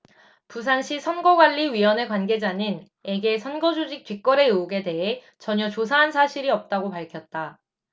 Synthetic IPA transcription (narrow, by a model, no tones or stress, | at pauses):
pus̬ʰanɕʰisʰʌnɡʌɡwaʎːiɥiwʌne̞kwanɡe̞d͡ʑaɲin | e̞ɡe̞sʰʌnɡʌd͡ʑud͡ʑik̚t͈ɥik͈ʌɾe̞ouɡe̞te̞ɦe̞ | t͡ɕʌɲʌt͡ɕos̬ʰaɦansʰaɕʰiɾiʌp̚t͈aɡopaɭkʰjʌt̚t͈a